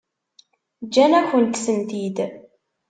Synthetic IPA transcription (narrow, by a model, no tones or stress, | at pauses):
d͡ʒːænæçənt̪sənt̪id̪